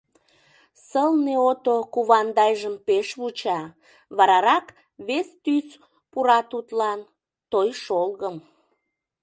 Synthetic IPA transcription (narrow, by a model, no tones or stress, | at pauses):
səlneot̪okuβɑnd̪ɑjʒəmpeʃβut͡ɕɑ | βɑɾɑɾɑk | βest̪ys | puɾɑt̪ut̪lɑn | t̪ojʃolɣəm